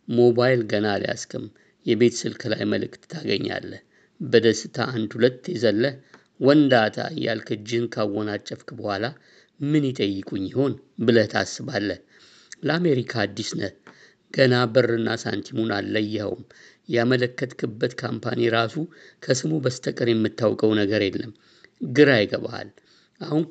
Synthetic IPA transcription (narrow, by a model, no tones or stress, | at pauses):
mo̞bajlɡənalḭja̰skʰʼɨm | jɛbe̞t̪ʰsɨlkʰɨla̰jməlɨkt̪ːʰaɡəɲːa̰lːəh | bəd̪əsɨt̪ʰa̰ʔand̪hulət̪ːjɛzəlːəh | wɔnd̪at̪ʰa̰jːa̰lkʰɨd͡ʒɪnkʰawːɔnat͡ʃʼːəfkʼbəhʷala | mɨnjɪt̪ʼəjːɨkʼuɲːɪho̞n | bɨlət̪ʰasːɨβalːəh | ləame̞ɾikʰaːd̪ːisnə | ɡ̥ənabɨrːɨnːasa̰nt̪ʰimunalːəjːɛhə̰wm | jamələkːət̪kʰɨbːət̪kʰampʰa̰niɾasukʰəsɨmubəst̪ʰəkʼəɾjɛmːɨt̪ːawkʼəwnəɡəɾelːəm | ɡɨɾajɡəβaa̰l | ʔahun